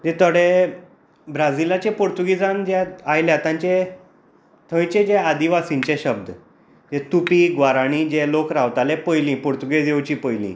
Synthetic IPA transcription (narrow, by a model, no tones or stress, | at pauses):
d͡ʑ̪ẽt̪əɽe | bɾad͡zilat͡ɕepoɾt̪uɡid͡zand͡ʑɛajljat̪ãɲt͡ɕe | t̪ʰə̃ʋĩt͡ɕẽd͡ʑɛad̪iʋasĩɲt͡ɕɛ̃ɕəb̚d̪ | d͡ʑɛ̃t̪upiːɡʋaɾaɽ̃id͡ʑɛlokɾaʋt̪alɛpəjlĩpuɾt̪uɡed͡zewt͡ɕiːpəjlḭ̃